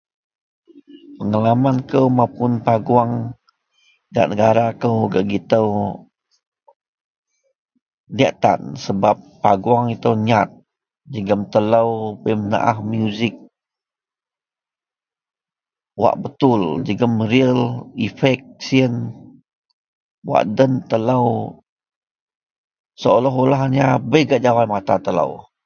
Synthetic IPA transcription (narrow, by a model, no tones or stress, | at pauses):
pəŋalamankəwmapʊnpaɡuaŋ | ɡa̰ʔnəɡaɾakəwɡaʔɡit̪əw | liaʔt̪a̰nsəbapːaɡuaŋit̪əwɲat̪̚ | d͡ʒəɡəmt̪ələwbəjməna̰ʔa̰hmjuzɪk̚ | wa̰ʔbət̪ʊld͡ʒəɡəmɾiəlifɛk̚siən | wa̰ʔdənt̪ələw | səolɔɦolaɦɲabəjɡaʔd͡ʒawat̪mat̪at̪ələ̰w